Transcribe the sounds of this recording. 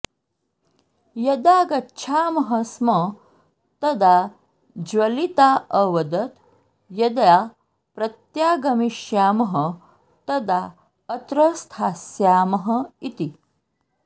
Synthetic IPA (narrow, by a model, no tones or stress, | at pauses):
jɐd̪aɡɐːɕʰaːmɐɦəsmə | t̪ɐd̪a | d͡ʑʋɐlit̪aʔəʋɐd̪ət̪ | jɐd̪ja | pɾɐt̪jaɡɐmiʃjaːmɐɦə | t̪ɐd̪a | ət̪ɾəst̪ʰaːsjaːmɐɦəit̪i